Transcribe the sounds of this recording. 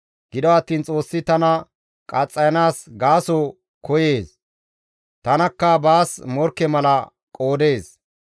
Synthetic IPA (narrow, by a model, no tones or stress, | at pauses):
ɡ̥ɪd̪ɔɐt̪ːiːnt͡sʼo̞ːsːɪt̪ɐnɐ | kʼɐt͡sʼːɐjɐnaːsɡaːsɔ | kʰɔje̞ːs | t̪ɐnɐkːɐbaːsmɔɾkːɛmɐlɐ | kʼo̞ːd̪e̞ːs